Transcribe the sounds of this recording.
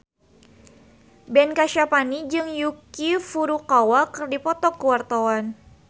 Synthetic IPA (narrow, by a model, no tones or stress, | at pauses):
bɛnkaʃapanid͡ʒɨŋjukifuɾukawakərdipɔt̪ɔkuwart̪awan